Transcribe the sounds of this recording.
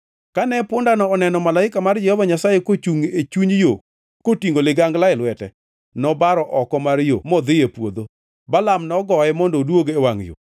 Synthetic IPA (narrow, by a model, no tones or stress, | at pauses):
kanɛpʊndanɔːnɛnɔmalaɪkamard͡ʒɛhɔvaɲasajekot͡ʃuŋet͡ʃuɲjo | kotiŋɡolɪɡaŋɡlaɪlwɛtɛ | nɔbaɾɔʔɔkɔmaɾjo̰mɔd̪ɪjepwo̰d̪o | balamnɔɡɔɛmɔndɔdwoɡewaŋjo̰